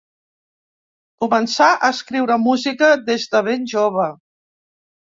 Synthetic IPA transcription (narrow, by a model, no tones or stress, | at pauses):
kumənsaʔəskɾiwɾəmuzikəðezðəβenʲʒoβ̞ə